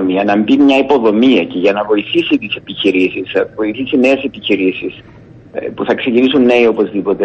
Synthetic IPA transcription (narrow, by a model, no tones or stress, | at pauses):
miɐnɐmbimɲɐipo̞ðo̞miɐceʝɐnɐvo̞iθisit̪ise̞piçiɾisisɐvo̞iθisine̞ːse̞piçiɾisis | puθɐksecinisunːe̞io̞po̞zðipo̞t̪e